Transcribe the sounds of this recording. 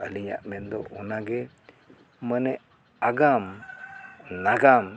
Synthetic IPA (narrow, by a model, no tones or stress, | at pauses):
əliɲa̰ʔmɛnd̪ɔʔɔnaɡɛ | mənɛʔ | aɡam | naɡam